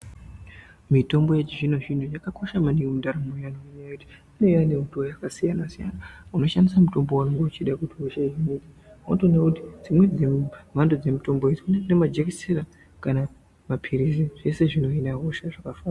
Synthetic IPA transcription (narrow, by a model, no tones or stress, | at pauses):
mito̞mbo̞jet͡ʃiʐinoʐinujakako̞ʃamaniundaɾamujanoiɲajekuti̥ine̞janeutuojakasijanasija̰nauno̞ʃandisamuto̞mbo̞wanoŋɡeut͡ʃiɗakutiɦoʃaiɦinidi | autonakutid͡zimwe̞d͡zemandod͡ze̞mito̞mboed͡zikunenemad͡ʒekiseɾa | kana | mapʰiɾiziʐ̥e̞se̞ʐino̞inaɦoʃaʐakafaːna